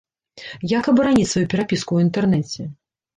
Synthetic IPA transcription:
jakɐbɐɾanʲitʲsvajupʲɛɾapʲiskuwint̪ɛrnɛt͡sʲɛ

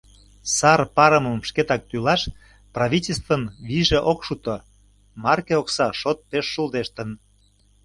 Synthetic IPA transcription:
sɑrpɑɾəməmʃket̪ɑk̚t̪ylɑʃ | prɑβʲitʲelʲs̬t̪vənβiʒeʔokʃut̪o | mɑrkeoksɑʃot̪̚peʃːuld̪eʃt̪ə̆n

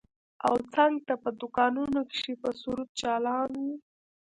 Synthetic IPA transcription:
a̰wt͡saŋɡ̚t̪apəd̪ʊkɑnunokɪ̥ʃepəsuɾut̪̚t͡ʃɑlɑnwu

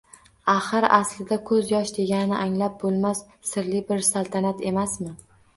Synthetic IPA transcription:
aχɨɾa̰slɪd̪akʰɵzjɒʃd̪e̞ɡʲanɪnɪʔaŋlap̚bolˠmasːɪɾlɪbɪɾsalˠt̪ʰanat̪ʰe̞masmɪ

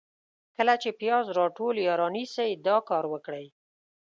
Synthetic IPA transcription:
kəlat͡ʃepjɑzɾɑʈoljɑɾɑnisəjd̪ɑkɑɾwəkɽəj

